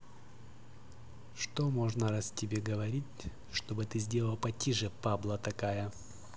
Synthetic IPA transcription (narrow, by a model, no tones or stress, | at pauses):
ʂt̪omoʐnəɾastʲɪbʲeɡəvɐɾʲitʲ | ʂt̪obɨt̪ɨzʲdʲe̞lˠəlˠpɐtʲiʐɨpablˠət̪ɐkajə